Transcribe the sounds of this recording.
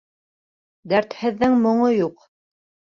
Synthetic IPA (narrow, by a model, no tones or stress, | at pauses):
d̪æɾt̪hɘ̆ðːɘŋmŏɴojuq